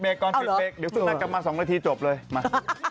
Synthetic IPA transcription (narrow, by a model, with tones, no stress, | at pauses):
beː˧kːɔː˧n˧˨˧beː˧k̚di˨˦wsɯ˧˩na˧˦ka˨p̚maː˧sɔː˩˦ŋnaː˧t̪ʰiː˧t͡ɕo˨˩p̚lɤː˧jma˧˩